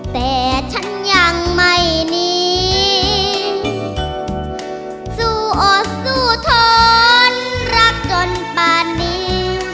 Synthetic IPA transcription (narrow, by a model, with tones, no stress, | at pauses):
t̪ɛː˨˩t͡ɕʰa˦˥nja˧ŋma˧˩jniː˦˥˦ | suː˧˩ʔoː˨˩uː˧˩t̪ʰoː˦˥nɾa˦˥k̚t͡ɕo˧npaː˧nːiː˦˥